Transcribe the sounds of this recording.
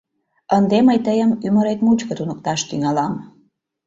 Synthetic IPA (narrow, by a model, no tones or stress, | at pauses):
ənd̪eməjt̪əjəmyməɾet̪mut͡ɕkət̪unək̚t̪ɑʃt̪yŋɑlɑm